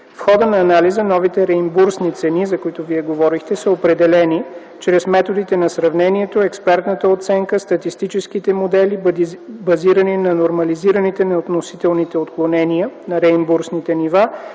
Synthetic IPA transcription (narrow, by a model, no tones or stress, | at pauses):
fxɔd̪ənɐːnalizənɔvit̪ɛɾɛimbuɾsnit̪sɛnizɐkoit̪oviɛɡovɔɾixt̪ɛsəopɾɛd̪ɛlɛni | t͡ʃɾɛsmɛt̪od̪it̪ɛnɐsɾɐvnɛniɛt̪oɛkspɛɾt̪nət̪əot̪sɛŋkəst̪ɐt̪ist̪it͡ʃɛskit̪ɛmod̪ɛlibɐziɾəninɐnoɾmɐliziɾənit̪ɛnɛot̪nosit̪ɛlˠnit̪ɛot̪klˠonɛniənɐɾɛimbuɾsnit̪ɛniva